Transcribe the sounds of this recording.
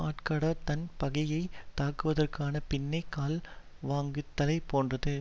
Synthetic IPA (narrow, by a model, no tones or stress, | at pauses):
aːʈkaːɽɐt̪ɐnpɐɣɐjɐɪt̪aːkɯʋɐðɐrkaːnɐpɪnːɐɪkːaːl | ʋaːŋɡɯt̪ːɐlɐɪpoːndrɐðɯ